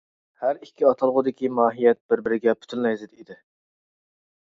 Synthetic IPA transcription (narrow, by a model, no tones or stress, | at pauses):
hæɾikʲʰːiɑt̪ʰɑlˠʁʊd̪ɪkʲimɑːɦijɛt̪̚b̥ɪɾbɪɾɪɡʲɛpʰy̥t̪ʰynmɛjzɪd̪id̪ɪ